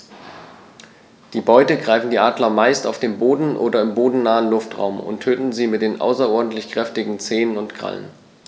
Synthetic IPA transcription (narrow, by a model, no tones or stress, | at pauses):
d̥iːbɔʏtəɡʁaɪfn̩diːʔaːdlɐmaɪstaʊfd̥eːnboːdn̩ʔoːdɐɪmboːdn̩naːənlʊftʁa̰ʊmʊ̰ntʰːøːtn̩ziːmɪt̚d̥eːnʔa̰ʊsɐʔɔɐdn̩tlɪçkʁ̥ɛftɪɡŋ̩t͡seːnənʊntɡ̥ʁa̰lə̰n